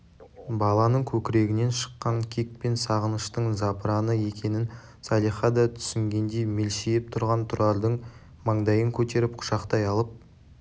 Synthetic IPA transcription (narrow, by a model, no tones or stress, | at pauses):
bɑlˠɑnəɴkʲʰɵkʲɪɾe̞ɡʲɪne̞nʃə̥qːɑŋkʲʰik̚pe̞nsɑʁənəʃt̪əɴzɑpɾɑnəje̞kʲe̞nɪn | sɑlˠijχɑd̪ɑt̪ʰʏ̥sɪŋɡʲe̞nd̪e̞jme̞lʃejɪp̚t̪ʰʊɾʁɑnt̪ʰʊɾɑɾd̪əɴ | mɑɴd̪ɑjəŋkʲʰɵt̪e̞ɾɪpqʰʊ̥ʃɑqt̪ɑjɑlˠəp̚